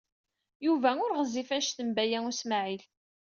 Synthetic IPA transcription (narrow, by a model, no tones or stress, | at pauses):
juvæʊɾʁəzːifæʃθəmbæjæŋʊsmaʕil